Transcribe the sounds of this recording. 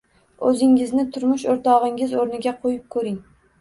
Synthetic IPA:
ɵzɪŋɪznɪt̪ʰʊɾmʊʃoɾt̪ʰɒʁɪŋʲɪzoɾnɪɡʲaqʰojɪp̚kʰɵɾɪŋ

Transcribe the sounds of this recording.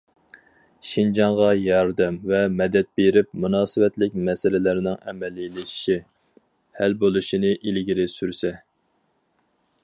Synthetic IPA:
ʃind͡ʒɑŋʁɑjɑɾd̪ɛmvɛmɛd̪ɛt̪̚beɾɪp̚munɑːsɨvɛt̪lɪkʲmɛsɪlɪlæɾɪnɪŋɛ̰mɛlːilːɪʃi̥ʃi | hælbolˠuʃinɨʔilɡʲiɾɪsyɾsɛ

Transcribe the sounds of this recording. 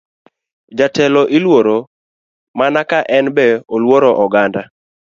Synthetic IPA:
d͡ʒatɛlɔʔilwoɾo | manakaʔɛnbɛolwoɾɔʔɔɡanda

